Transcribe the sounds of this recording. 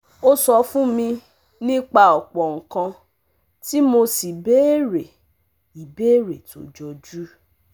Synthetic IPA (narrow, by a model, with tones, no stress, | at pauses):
o˦sɔ˧fũ˦mĩ˧ | nĩ˦k͡pa˧ɔ˨k͡pɔ˨ŋ̩˨kã˧ | ti˦mo˧si˨be˦ɾe˨ | i˨be˦ɾe˨to̰˨˦d͡ʒɔ˧d͡ʒu˦